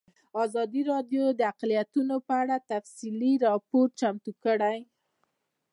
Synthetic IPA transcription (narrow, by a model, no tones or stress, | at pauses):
ɑzɑd̪iɾɑɖjod̪əaqlijat̪unopəaɽat̪afsiliɾɑpoɾt͡ʃamt̪ukəɽaj